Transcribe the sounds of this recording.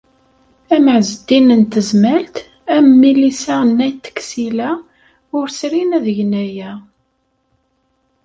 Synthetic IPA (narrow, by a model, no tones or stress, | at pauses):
æməʕzəd̪inənt̪əzmælt̪ | æmmːilisænːæjt̪ːə̥kːsilæ | ʊɾsɾinæðəʝnæjæ